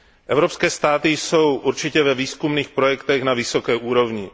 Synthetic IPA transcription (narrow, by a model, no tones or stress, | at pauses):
ʔɛvɾo̞pskɛːst̪aːt̪ɪjso̞wʔuɾt͡ʃɪcɛvɛviːskumniːxpɾo̞jɛkt̪ɛxnavɪso̞kɛːʔuːɾo̞vɲɪ